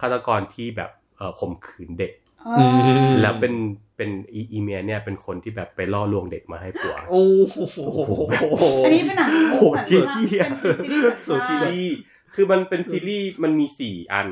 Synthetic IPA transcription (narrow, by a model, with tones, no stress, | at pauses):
kʰaː˥˩t̪a˧kɔː˧nt̪ʰiː˥˩bɛ̰ː˨˩p̚ʔəː˨˩pʰo˨˩˦mkʰɯː˩˦nde˨˩k̚ː | lɛː˦˥wpe˧npe˧nʔiː˧ʔiː˧meː˧ni˥˩ɐpe˧nkʰo˧nt̪ʰiː˥˩bɛː˨˩pːa˧jlɔː˥˩lu˧əŋde˨˩k̚ma̰ː˧ha˥˩jpu˨˩ɐoː˧˩˨ | iː˥˧na˨kʰoː˨˩˦t̪̚ki˧˥˩iː˥˩˧ | siː˧iː˥˩ | kʰɯː˧ma˧npe˧nsiː˧liː˥˩ma˧nmiː˧siː˨˩ʔa̰˧n